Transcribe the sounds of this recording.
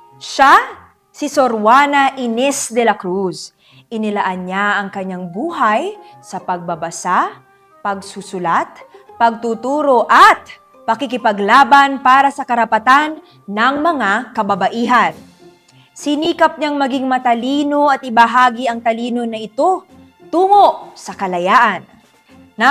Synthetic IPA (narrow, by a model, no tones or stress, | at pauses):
ʃa | sɪsoɾwanɐʔɪnɛsd̪ɛlɐkɾus | ʔɪnɪlɐʔanɲaʔɐŋkɐɲaŋbuːɦajsɐpɐɡ̚bɐbɐsa | pɐɡ̚susʊlat̪̚pɐɡ̚t̪ut̪uːɾoʔɐt̪̚ | pɐkɪkɪpɐɡlaːbanpaːɾɐsɐkɐɾɐpɐt̪anː | ɐŋmɐŋakɐbɐbɐʔiːɦɐn | sɪniːkɐp̚ɲaŋmɐɡiŋmɐt̪ɐliːno̞ɐt̪̚ʔɪbɐɦaːɡiʔɐŋt̪ɐliːno̞nɐʔɪt̪o̞ | t̪uːŋo̞ʔsɐkɐlɐjaːʔɐnː